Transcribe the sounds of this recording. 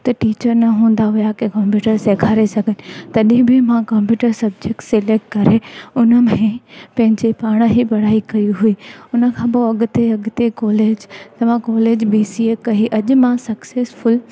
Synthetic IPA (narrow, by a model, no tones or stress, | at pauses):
t̪ɐʈiːt͡ɕəɾnɐɦũːn̆d̪aɦʊjakẽkɐ̃mpjuːʈəɾseːkʰaːɾesɐɡʱənɪ̆t̪ɐɗĩbʱɪmãkɐ̃mpjuːʈəɾsɐb̚d͡ʑek̚ʈsɪleːk̚ʈkɐɾeʊnə̆mẽpɐ̃ɦɪ̃ɲd͡ʑepaːɽ̃ə̆ɦibɐɽ̤aːikɐiɦuiːʊnə̆kʰãpoɐɠʊt̪eɐɡʊt̪ekɔːleːd͡ʑt̪ɐʋ̤ãkɔːleːd͡ʑbiːsiekɐɦiʔɐʄʊ̆mãsɐkseːsfʊl